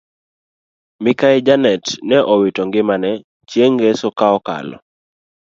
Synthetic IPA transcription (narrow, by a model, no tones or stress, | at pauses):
mikaɪd͡ʒanɛtnɛʔɔwitɔŋɡɪmanɛ | t͡ʃjeŋɡesɔkaɔka̰lɔ̰